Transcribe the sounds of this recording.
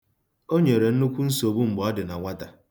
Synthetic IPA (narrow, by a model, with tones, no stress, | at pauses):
o˦ɲe˨ɾe˨n̩˦nu˦kʷu˦n̩˦so˨bu˦m̩˨bɔ˨˦ɔ˦dɪ˨na˨ŋʷa˦ta˨